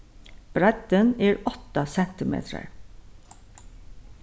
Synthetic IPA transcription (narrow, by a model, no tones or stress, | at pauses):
b̥ɹæd̪əniːɹɔt̪ɑsɛnt̪ɪmḛːt̪ʰə̰ɹ